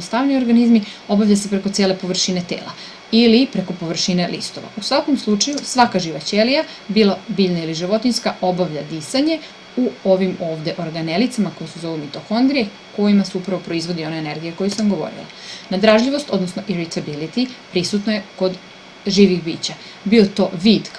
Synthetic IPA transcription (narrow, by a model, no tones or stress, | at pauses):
ost̪aʋnio̞ɾɡanizmio̞baʋʎʲase̞pɾe̞ko̞t̪e̞ːle̞po̞ʋr̩ʃine̞t̪ḛːla̰ | ilipɾe̞ko̞po̞ʋr̩ʃine̞lʔḭst̪o̞ʋa̰usʋako̞mslˠut͡ʃajusʋakaʒiʋat͡ɕelija | bilˠabiʎnailiʒiʋo̞t̪inskaʔo̞baʋʎad̪isaɲe̞ | uo̞ʋimo̞ːʋd̪e̞ʔo̞ɾɡane̞lit̪samako̞jusezo̞ʋimit̪oxo̞nd̪ɾije | ko̞jimasuupɾaʋo̞pɾo̞izʋo̞d̪io̞neene̞ɾɡijeko̞jusamɡo̞ʋo̞̰ɾḭlˠa̰nad̪ɾaʒʎiʋo̞st̪o̞d̪nosnoʔiɾit̪abilit̪ipɾisut̪noje̞ko̞d̪ | ʒiːʋixbḭːt͡ɕa | biot̪o̞ːʋid̪